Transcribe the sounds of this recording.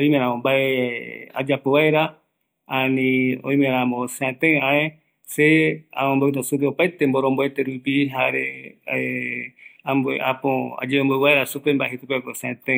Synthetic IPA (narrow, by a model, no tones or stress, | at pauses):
oĩmẽɾãmõmbaea̰d͡ʒapoβaeɾa | anĩõ̰ĩmẽɾãmõseãt̪ẽãe | seaõmbowt̪asupeopajt̪emboɾõmboet̪eɾupiɦaɾe | amboḛʔapõa̰d͡ʒeomboβaeɾasupembaeɦesupekɾoseãt̪ẽ